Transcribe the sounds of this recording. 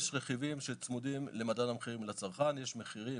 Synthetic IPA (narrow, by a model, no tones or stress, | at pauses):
ʃʁeχivimʃet͡smud̪imlemadanamχiʁimlat͡saʁχanjeʃmeχiʁi